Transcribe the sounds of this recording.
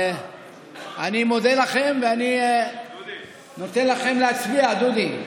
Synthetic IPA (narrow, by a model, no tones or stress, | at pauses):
animo̞d̪elaχe̞mveani | no̞t̪enlaχe̞mleat͡sbiad̪ud̪im